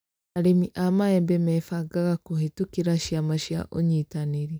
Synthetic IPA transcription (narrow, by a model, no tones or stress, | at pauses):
aɾemiʔamaɛmbɛmɛfaɡaɣakohetukiɾaʃjamaʃja̰ʔoɲitaneɾi